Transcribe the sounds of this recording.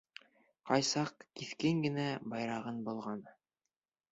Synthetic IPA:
qɑjsɑq̚kiθkɘŋɡɘ̆næbɑjɾɑʁɤnbŏlˠʁɑn

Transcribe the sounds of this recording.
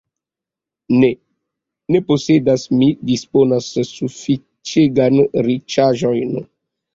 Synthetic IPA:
ne | ne̞posedasmidisponasːufi | t͡ʃeɡanɾit͡ʃaʒojn

